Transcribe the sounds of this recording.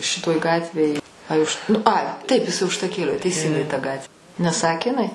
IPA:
ˈʃʲɪtoːj ˈɡɑːtʲʋʲeːj ˈɐɪ ʊʃ nʊ ˈɐɪ ˈtɐɪp ɪˈsɐɪ ʊʃtɐˈkʲeːlʲoː tʲɛɪˈsʲɪŋɡɐɪ tɐ ˈɡɐtʲ nʲɛˈsɑːkʲeː ɪˈnɐɪ

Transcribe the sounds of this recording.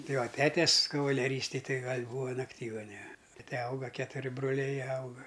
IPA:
ˈtɐɪ ˈʋɐ ˈtʲæːtʲɛs kɐʋɐlʲɛˈrʲiːsʲtʲɛj ˈtɐɪ ˈɡɐlʲ ˈbuːʋɐ nɐkˈtʲiːɡɐnʲɛ ˈtʲæːtʲɛ ˈɐʊɡɐ kʲɛtʊˈrʲɪ broːˈlʲɛɪ ˈɐʊɡɐ

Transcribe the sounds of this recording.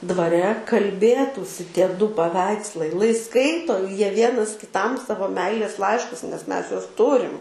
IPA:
dʋɐˈrʲɛ kɐlʲˈbʲeːtuːsʲɪ ˈtʲiɛ ˈdʊ pɐˈʋʲɛɪkslˠɐɪ lˠɐɪ ˈskɐɪtoː ˈjiɛ ˈʋʲiɛnɐs kʲɪˈtɐm ˈsɑːʋoː ˈmʲɛɪlʲeːs ˈlˠɐɪʃkʊs nʲɛs ˈmʲɛs ˈjuɔs ˈtʊrʲɪm

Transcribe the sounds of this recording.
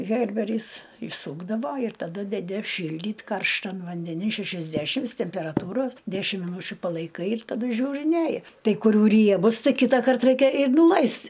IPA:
ˈɣʲɛrʲbʲɛrʲɪs ɪʃˈsuːɡdɐʋoː ɪr tɐˈdʊ dʲɛˈdʲɪ ˈʃʲiːlʲdʲiːtʲ ˈkɐrʃtɐn ʋɐnʲdʲɛˈnʲɪ ʃʲeːʃʲɛzʲˈdʲæʃʲɪms tʲeːmʲpʲeːrɐˈtuːrɐ ˈdʲæʃʲɪm mʲɪˈnuːt͡ʃʲʊ pɐlˠɐɪˈkɐɪ ɪr tɐˈdʊ ˈʒʲuːrʲɪˈnʲeːjɪ ˈtɐɪ kʊˈrʲuː ˈrʲiɛbʊs ˈtɐɪ ˈkʲɪtɐkɐrt ˈrɐɪkʲɛ ɪr nʊˈlˠɐɪsʲtʲ

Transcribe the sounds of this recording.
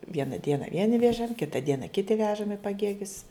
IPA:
ˈʋʲiɛnɐ ˈdʲiɛnɐ ˈʋʲiɛnʲɪ ˈʋʲeːʒɐm ˈkʲɪtɐ ˈdʲiɛnɐ ˈkʲɪtʲɪ ˈʋʲæːʒɐm ɪ pɐˈɡʲeːɡʲʊs

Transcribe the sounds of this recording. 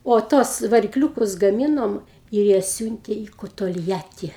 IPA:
oː ˈtuɔs ʋɐrʲɪkˈlʲuːkʊs ɡɐˈmʲiːnoːm ɪr ˈjiɛ ˈsʲuːnʲtʲeː iː ˈkʊ toːlʲˈjæːtʲɪ

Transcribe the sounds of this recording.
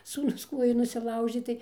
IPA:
suːˈnʊs ˈkuɔjuː nʊsʲɪˈlˠɐʊʒʲeː ˈtɐɪ

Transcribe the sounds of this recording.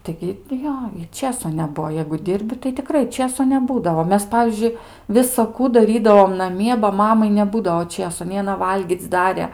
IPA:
ˈtɐɪɡʲɪ tʲɪ ˈjoː ˈt͡ʃʲeːsoː nʲɛˈbuɔ jɛɪɡʊ ˈdʲɪrʲbʲɪ tɐɪ tʲɪˈkrɐɪ ˈt͡ʃʲeːsoː nʲɛˈbuːdɐʋoː ˈmʲɛs ˈpɑːʋʲiːzʲd͡ʒʲʊɪ ʋʲɪsɐˈkuː dɐˈrʲiːdɐʋoːm nɐˈmʲiɛ bɐ ˈmɑːmɐɪ nʲɛˈbuːdɐoː ˈt͡ʃʲeːsoː nʲɛɪ ɐˈnɐ ˈʋɐlʲɡʲiːt͡sʲ ˈdɑːrʲeː

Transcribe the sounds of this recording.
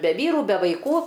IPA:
bʲɛ ˈʋʲiːruː bʲɛ ʋɐɪˈkuː

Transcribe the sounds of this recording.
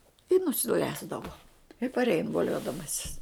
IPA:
ɪ nʊsʲɪˈlʲæːzdɐʋoː ɪ pɐrʲˈɛɪn ʋoːˈlʲoːdɐmɐsʲɪs

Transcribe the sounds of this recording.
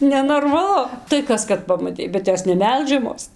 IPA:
nʲɛnoːrmɐˈlˠʊ tɐɪ ˈkɐs kɐt pɐmɐˈtʲɛɪ bʲɛt ˈjoːs nʲɛˈmʲɛlʲʒʲɛmoːs

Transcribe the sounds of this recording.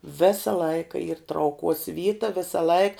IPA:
ˈʋʲæːsɐ ˈlˠɐɪkɐ iːr trɐʊˈkuɔs ˈʋʲiːtɐ ˈʋʲæːsɐ ˈlˠɐɪk

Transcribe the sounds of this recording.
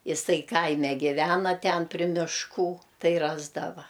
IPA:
jɪˈsɐɪ ˈkɐɪmʲɛ ɡʲɪˈʋʲæːnɐ ˈtʲɛn pʲrʲɪ mʲɪʃˈkuː ˈtɐɪ ˈrɑːzdɐʋɐ

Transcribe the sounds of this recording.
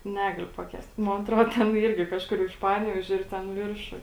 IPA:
ˈnʲæːɡɐlʲʊ pɐˈkʲæːst ˈmoːn ɐˈtroː ˈtʲɛn ˈiːrʲɡʲɪ ˈkɑːʃkʊr ɪʃ ˈpɑːnʲɛʋʲeːʒʲoː ɪr ˈtʲɛn ˈʋʲɪrʃʊj

